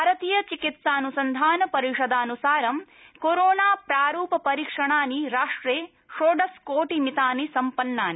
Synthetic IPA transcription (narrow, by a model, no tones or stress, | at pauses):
aːɾɐt̪ijɐt͡ʃikit̪saːnusɐnd̪ʱaːnɐpɐɾiʂɐd̪aːnusaːɾɐm | koɾoːnaːpɾaːɾuːpɐpɐɾiːkʂɐɳaːniɾaːʂʈɾeː | ʂoːɖɐskoːʈimit̪aːnisɐmpɐnːaːni